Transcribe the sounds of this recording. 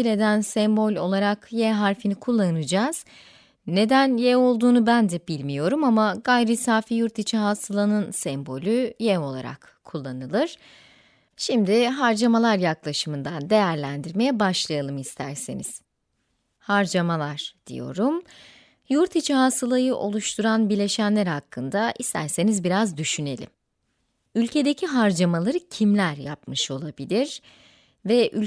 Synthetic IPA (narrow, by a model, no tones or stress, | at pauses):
ilʲe̞d̪ænsɛmbo̞lʲo̞lˠaɾakjɛɦaɾfinikʰulˠːanɯd͡ʒaːz̥ | ne̞d̪ænjɛo̞lˠd̪uːnubænd̪ɛbilʲmijo̞ɾumamaɡajɾisaːfijuɾt̪it͡ʃʰiɦasʰɯlˠanɯnsɛmbo̞lʲyjɛvo̞lˠa̰ɾa̰k | kʰːulˠːanɯlˠɯɾ̥ | ʃimd̪iɦaɾd͡ʒamalˠaɾjaklˠaʃɯmɯnd̪and̪e̞jæɾlʲænd̪iɾme̞jɛbaʃlˠajalˠɯmist̪ʰæɾsinḭz̥ | haɾd͡ʒamalˠaɾ̥d̪̥ḭjo̞̰ɾum | juɾt̪ʰit͡ʃʰiɦasɯlˠajɯʔo̞lˠuʃt̪ʰuɾanbiɾlʲe̞ʃænlʲæɾhakʰːɯnd̪aʔist̪ʰæ̰ɾse̞nizbiɾazd̪yʃyne̞̰lʲḭm | ylʲcʰe̞d̪e̞cʰiɦaɾd͡ʒamalˠaɾɯcʰimlʲæɾja̰pmɯʃo̞lˠabilʲiɾ̥ | vɛʔylʲ